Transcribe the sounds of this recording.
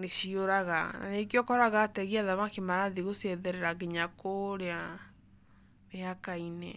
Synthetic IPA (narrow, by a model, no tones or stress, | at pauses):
neʃioɾaɣana̰nekjɔkɔɾaɣatɛɣiaðamakemaɾaðiɣosɛðɛɾɛɾaɣeɲakoɾea | neakainɛ